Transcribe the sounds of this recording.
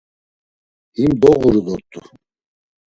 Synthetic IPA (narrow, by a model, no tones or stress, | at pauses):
imd̪ɔʁuɾilɔt̪ʼṵ